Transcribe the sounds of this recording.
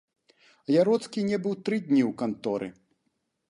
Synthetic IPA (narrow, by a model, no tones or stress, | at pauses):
jaɾɔt̪skʲinʲɛbɨwt̪ɾɨd̪ʲnʲiwkant̪ɔɾɨ̰